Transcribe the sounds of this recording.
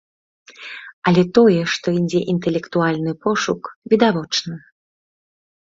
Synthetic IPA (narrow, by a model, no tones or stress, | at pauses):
ɐlʲɛt̪ɔjɛʂt̪ɔinʲd͡zʲɛʔint̪ɛlʲɛkt̪ualʲnɨpɔʂukvʲid̪avɔt͡ʂnɨ